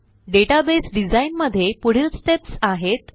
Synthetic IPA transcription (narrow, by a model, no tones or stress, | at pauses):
ɖeʈabesɖid͡zainməd̪ʱːjepuɽ̤ilst̪epsaɦet̪